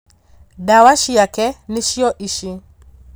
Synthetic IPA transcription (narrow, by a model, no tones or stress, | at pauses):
dawaʃijakɛniʃiɔʔiʃi